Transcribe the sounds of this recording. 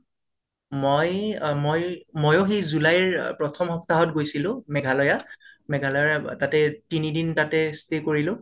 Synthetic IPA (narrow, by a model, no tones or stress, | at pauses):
mojmojmojoxejzulajɹpɹɔtʰɔmɦɔp̚taɦɔtɡojsilʊ̃mɛɡʱalɔjamɛɡʱalɔjatatɛtinidintatɛstekoɹilʊ̃